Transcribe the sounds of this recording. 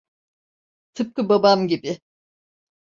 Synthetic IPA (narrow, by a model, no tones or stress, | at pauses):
t̪ʰɯp̚kɯbabamɟibɪ